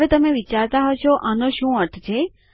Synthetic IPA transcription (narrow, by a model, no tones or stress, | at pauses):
ʋet̪əmeʋit͡ʃaɾt̪aɦot͡ʃʰoʔanoʃũːəɾt̪ʰt͡ʃʰe